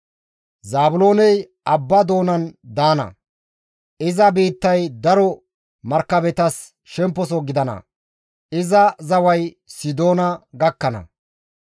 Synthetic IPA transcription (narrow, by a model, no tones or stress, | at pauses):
zaːbʊlo̞ːnɛj | ʔɐbːɐd̪o̞ːnɐnd̪aːnɐ̰ | ɪzɐbiːt̪ːɐjd̪ɐɾɔ | mɐɾkːɐbɛt̪ɐs | ʃɛmpːɔsɔɡɪd̪ɐnɐ̰ | ɪzɐzɐwɐj | sɪd̪o̞ːnɐɡɐkːɐnɐ̰